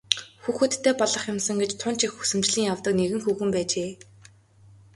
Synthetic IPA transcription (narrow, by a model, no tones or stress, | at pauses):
xuːxɘ̆t̪ʰːeːpɔɮə̆χjʊmsə̆ŋɡet͡ɕt̪ʰʊnt͡ɕixusɘ̆mt͡ɕɮiːŋjawt̪ə̆kneɣɘ̆ŋxuːxɘ̆mpæːt͡ɕeː